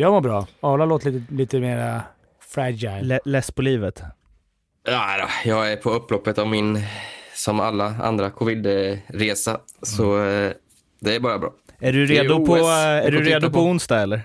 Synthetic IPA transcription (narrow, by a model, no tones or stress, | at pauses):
jɑːmoːɾbɾɑːɑːlaloːt̪liːt̪əliːt̪əmeːɾa | fɾæd͡ʒaj̪ɛlɛspʰɔliːvət̪ | jad̪ɔ̰jɑːɡæɾpʰɔɵpːlɔpːət̪avmɪnsɔma̰lːaa̰nd̪ɾakʰɔvɪd̪ɾeːsa̰sɔ | d̪ɛæɾbɑːɾabɾɑ̰ːæɖɵɾeːd̪ʊpʰɔæɖɵɾeːd̪ʊpʰɔʊnst̪aːɛlːəɾ